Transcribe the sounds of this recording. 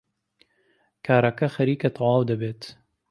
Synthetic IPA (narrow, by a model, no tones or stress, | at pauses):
kʰaːɾɐkɐxɐɾiːkɐt̪ʰˤɑwɑːwd̪ɐbeːt̪